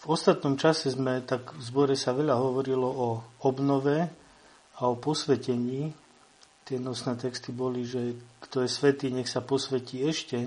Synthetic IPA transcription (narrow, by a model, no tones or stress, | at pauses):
vɔst̪at̪nɔmt͡ʃasɛzmɛt̪aɡvzbɔɾɛsaʋɛʎaɦɔʋɔɾilɔɔɔbnɔʋɛ | aɔpɔsʋɛcɛɲiː | t̪ɪɛnɔsnɛːt̪ɛkst̪ibɔliʒɛkt̪ɔjɛsʋɛt̪iːɲɛxsapɔsʋɛciːɛʃcɛ